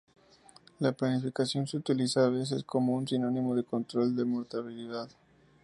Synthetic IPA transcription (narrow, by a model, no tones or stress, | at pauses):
laplanifikasjo̞nseut̪ilisaːβ̞e̞s̬e̞sko̞mo̞unsino̞nimo̞ðe̞ko̞nt̪ɾo̞ld̪e̞mo̞ɾt̪aβiliðað